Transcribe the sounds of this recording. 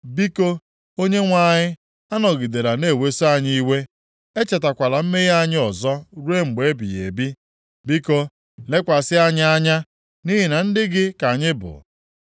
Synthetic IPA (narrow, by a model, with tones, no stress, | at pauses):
bi˦ko˦ | o˦ɲe˦ŋʷa˦˨ɲɪ˦ | a˦nɔ˨ɡi˨de˨ɾa˨ne˦˨we˦so˦a˦ɲɪ˦i˦we˦ | e˦t͡ʃe˨ta˨kʷa˨la˨m̩˦me˦ja˦˨ɲɪ˦ɔ˨zɔ˦ɾu˦e˦ŋ͡m̩˨ɡ͡be˨˦bḭ˨jḛ˨bi˦ | bi˦ko˦ | le˦kʷa˨sɪ˦a˦ɲ˦a˦ɲa˦ | ni˦ɦɪ˨na˨n̩˦dɪ˦ɡɪ˦ka˨ɲɪ˦bʊ̰˨